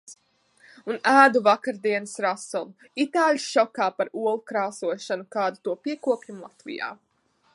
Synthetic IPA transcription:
unæːd̪uvakaɾd̪iɛnɨsɾasulˠu | it̪aːlʲsʃɔkaːpaɾuɔlˠukɾaːsuɔʃanukaːd̪ut̪uɔpiɛkuɔpʲjumlˠat̪vḭja̰ː

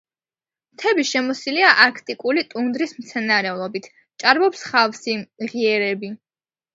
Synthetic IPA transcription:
mt̪ʰɛbiʃɛmɔsiliaʔaɾkʰt̪ʼikʼulit̪ʼund̪ɾismt̪sʰɛnaɾɛulˠɔbit̪ʰ | t͡ʃʼaɾbɔpsχafsiʁiɛɾɛbi

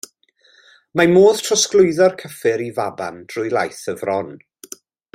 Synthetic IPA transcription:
mamoːð̥tʰrɔsklˠʊɨðɔrkʰəfɪɾivaba̰nd̥rʊjlˠajθəvrɔn

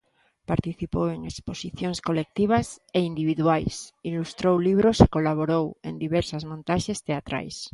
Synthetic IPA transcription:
paɾt̪iθipoweŋeksposiθjoŋskolek̚t̪iβ̞aseind̪iβiðuajsilust̪ɾowliβ̞ɾosekolaβ̞oɾowḛnd̪iβeɾsazmõnt̪aʃest̪eat̪ɾa̰js

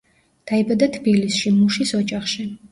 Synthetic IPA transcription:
d̪̥aibad̪at̪ʰbilisʃimuʃisɔt͡ʃʼaχʃi

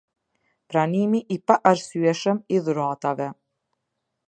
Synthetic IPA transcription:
pɾanimiʔipaʔaɾsyɛʃəmiðuɾat̪avɛ

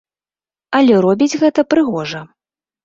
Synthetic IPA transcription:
ɐlʲɛɾɔbʲid͡zʲɣɛt̪ɐpɾɨɣɔʐɐ

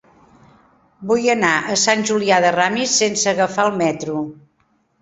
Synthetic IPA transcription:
bujənaʔəsanʲʒuliaðəramisːensəɣəfaəlˠmɛt̪ɾu

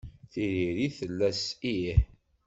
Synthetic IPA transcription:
θiɾiɾiθəlːæsiħ

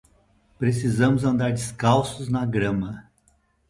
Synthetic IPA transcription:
pɾesizɐ̃mʊzɐ̃nd̪aɾd͡ʒiskawsʊznɐɡɾɐ̃mɐ

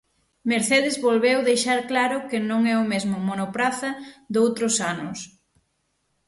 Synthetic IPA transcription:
meɾθeðɪzβolβewðejʃaɾklaɾʊkɪnõŋɛʊmezmʊmonopɾaθɐd̪owt̪ɾʊsanʊs

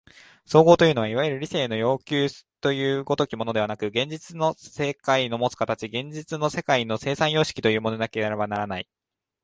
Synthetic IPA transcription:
soːɡo̞ːt̪ojɯ̟ːno̞βaiβajɯɾɯ̟ɾʲise̞ːno̞jo̞ːkʲɨ̥ːt̪ojɯ̟ːɡo̞t̪o̞kʲimo̞nod̪e̞βanakɯ̟ɡẽ̞ɲ̟d͡ʑit͡sɨno̞se̞kaino̞mo̞t͡sɨ̥kat̪at͡ɕiɡẽ̞ɲ̟d͡ʑit͡sɨno̞se̞kaino̞se̞ːsãɰ̃jo̞ːɕi̥kʲi̥t̪o̞jɯ̟ːmo̞no̞d̪ake̞j̪aɾebanaɾanai

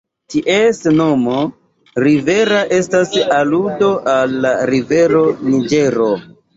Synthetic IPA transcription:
tiʔesno̞mo | ɾive̞ɾaʔe̞stasaludo̞ʔalːaɾive̞ɾo̞nid͡ʒe̞ɾo

